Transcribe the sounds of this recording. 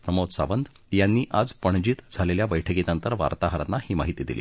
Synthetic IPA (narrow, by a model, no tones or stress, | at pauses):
pɾəmot̪sa̰ʋənd̪ | janːiːʔad͡zpəɳ̃d͡ʑiːt̪d͡zʱaleljabəjʈʰəkinant̪əɾʋa̰ɾt̪aɦəɾanːahiːmaɦit̪iːd̪ilḭː